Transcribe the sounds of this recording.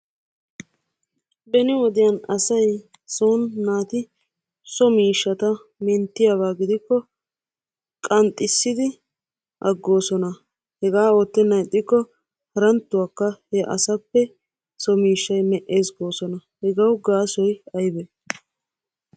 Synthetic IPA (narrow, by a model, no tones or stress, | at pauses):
bɛnɪwɔd̪ɪjɐnɐsɐj | soːnːaːt̪ɪ | sɔmiːʃːɐt̪ɐ | mɛnt̪ːɪjabaːɡɪd̪ɪkːɔ | kʼɐnt̪ʼːɪsːɪd̪ɪ | ʔɐɡːo̞ːsɔnɐ | hɛɡaːo̞ːt̪ːɛnːɐjt̪ʼːɪkːɔ | hɐɾɐnt̪ːʊwakːɐhɛʔɐ̰sɐpːɛ | sɔmiːʃːɐjmɛʔe̞ːsɡo̞ːsɔnɐhɛɡɐwɡaːsɔjɐjbɛ